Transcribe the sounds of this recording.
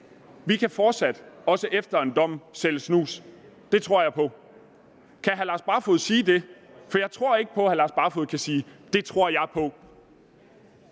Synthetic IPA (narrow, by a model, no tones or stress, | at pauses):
ʋikʰæfɒːd̥sæd̥ɒ̽səʔefd̥ɐe̝nd̥ɒ̽m̰sel̰snṵːs | d̥e̝t͡sʰʁo̝ɐ̰jɑ̈ɪpʰɒ̽ | kʰæɦælɑ̈sb̥ɑ̈foð̩̰ˠsiːd̥e̝ | fɒ̽jɑ̈ɪt͡sʰʁo̝ɐ̰e̝ɡ̥ə̥pʰɒ̽hælɑ̈sb̥ɑ̈foðˠkʰæsiːd̥e̝t͡sʰʁo̝ɐ̰jɑ̈ɪpʰɒ̽